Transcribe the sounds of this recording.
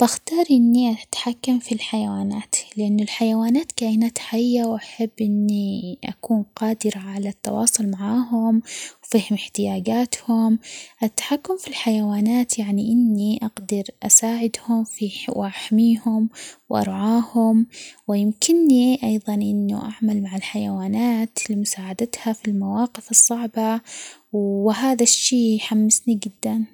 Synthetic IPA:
b̥axt̪ɑːɾˤʔɪnːiʔat̪ħakːamfilħajawaːnaːt̪lɪʔanːʊlħajawaːnaːt̪kaːʔnaːt̪ħaɪjːawʔaħabːʔɪnːiʔa̰kuːnqɑːd̪ɪɾaʕalat̪ːɑ̰wɑ̰ːsˤʊlmaʕaːɦʊmwfiːhʊmɪħt̪ɪjaːɡaːt̪hʊmʔat̪ːḁħakːʊmfilħajawaːnaːt̪jaʕniʔɪnːiʔɑɡd̪ɪɾʔa̰saːʕɪd̪hʊmfiwʔaħmiːhʊmwʔɑ̰ɾˤʕaːhʊmwɪjɪmkɪnːiʔɑjðˤɑnʔɪnːʊ̰ʔaʕmalmaʕalħajawaːnaːt̪limʊsaːʕad̪at̪hafilmawɑːqɪfɨsˤːɑʕbawɪɦaːðaʃːiːjħamːɪsniɡɪd̪ːan

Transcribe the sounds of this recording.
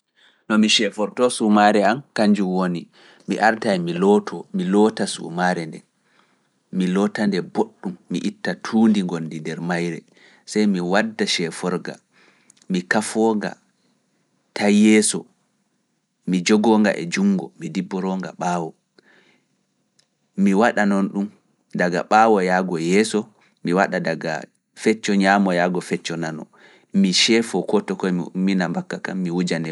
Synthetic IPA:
nɔmiʃɛfɔɾtɔsumaɾɛamkaɲd͡ʒumwoni | miʔaɾtajmilɔtʰɔmilɔːtasṵmaɾɛndɛ̰ | milɔtandɛboɗːumːḭʔitːatʰuːndiŋɡondindɛɾmajɾɛ | sajmiwadːaʃɛfɔɾɡa̰ | mikafɔɡa̰ | tajɛsɔ | mid͡ʒɔɡɔŋɡa̰ʔɛ̰d͡ʒuŋɡɔ̰midibːɔɾɔŋɡa̰ɓaːwɔ | miwaɗanɔnɗum | daɡa̰ɓaːwɔjaːɡɔjɛːsɔ | miwaɗadaɡa̰ | fɛt͡ʃːɔɲamɔjaːɡɔfɛt͡ʃːɔnanɔ̰ | miʃɛfɔkɔtɔkɔminambakːakamːiwud͡ʒanɛ

